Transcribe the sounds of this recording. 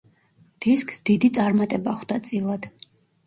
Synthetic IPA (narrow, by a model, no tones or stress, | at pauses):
d̪̥iskʼsd̪id̪it̪sʼaɾmat̪ʼɛbaχd̪at̪sʼilˠad̪̥